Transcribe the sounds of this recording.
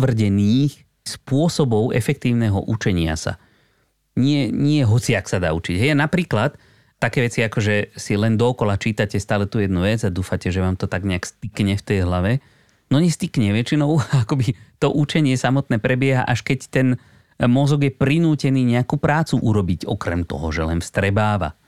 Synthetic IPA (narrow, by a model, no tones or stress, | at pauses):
ʋr̩ɟɛniːx | spʊɔsɔbɔʊʔɛfɛk̚t̪iːʊnɛɦɔ̰ʔut͡ʃɛɲɪa̰sa̰ | ɲɪɛɲɪɛɦɔt͡sɪaksad̪a̰ːut͡ʃiɟɦɛjanapɾiːklat̪ː | akɛːʋɛt͡siakɔʒɛsilɛnd̪ɔːkɔlat͡ʃiːt̪acɛst̪aːlɛt̪uːjɛd̪nuʋɛd͡zad̪uːfacɛʒɛʋaːmt̪ɔt̪aɡɲɛakst̪ikɲɛft̪ɛjɦlaʋɛ | nɔɲɛst̪ikɲɛʋɛt͡ʃinɔʊakɔbit̪ɔʔut͡ʃɛɲɪɛsamɔt̪nɛːpɾɛbɪɛɦa̰ʔaʃkɛct̪ɛn | mɔzɔɡjɛpɾinuːcɛniːɲɛakupɾaːt͡suʔuɾɔbiɟɔkɾɛ̰mt̪ɔ̰ɦɔʒɛlɛ̰nfst̪ɾɛbaːʋa̰